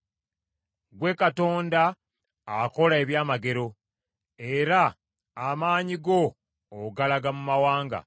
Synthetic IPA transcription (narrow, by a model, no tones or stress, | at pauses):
ɡwe̞ːkato̞ːnda | ako̞lae̞βjaːmaɡe̞ɾo̞ | e̞ɾaː | maːɲiɡo̞ː | ɡalaɡamumawaːŋɡa̰